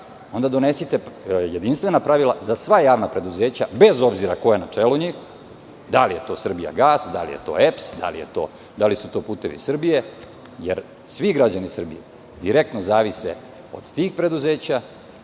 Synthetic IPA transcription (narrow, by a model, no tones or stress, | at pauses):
o̞nd̪ad̪o̞ne̞sit̪e̞je̞d̪inst̪ʋe̞napɾaʋilˠazasʋajaːʋnapɾe̞d̪uzeːt͡ɕabe̞zo̞bziɾakojenat͡ʂeːluɲiːx | d̪alije̞t̪o̞ːsr̩bija̰ɡaːsd̪a̰lije̞̰t̪o̞̰epsd̪a̰lḭjḛt̪o̞̰ː | d̪alisut̪o̞ːpuːt̪e̞ʋḭsr̩bije̞ | jeɾ | sʋiɡɾad͡ʑanisr̩bije | d̪iɾe̞k̚t̪nozaːʋisḛ | o̞̰d̪̥t̪iːxpɾe̞d̪uze̞ːt͡ɕa